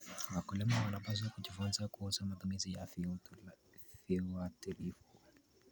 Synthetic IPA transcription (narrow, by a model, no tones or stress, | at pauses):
wakulɛmawanapaziakud͡ʒifunzakuuzamat̪umizijaf | fiwatilifu